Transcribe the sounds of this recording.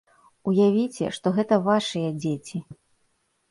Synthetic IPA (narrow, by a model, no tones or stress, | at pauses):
ujavʲit͡sʲɛ̰ʂt̪ɔɣɛt̪ɐvaʂɨjɐd͡zʲet͡sʲi